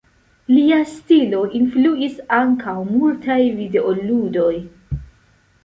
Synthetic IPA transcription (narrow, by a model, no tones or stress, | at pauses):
liastilo̞ʔinfluisaŋkʰawmultʰajvide̞ʔoludo̞j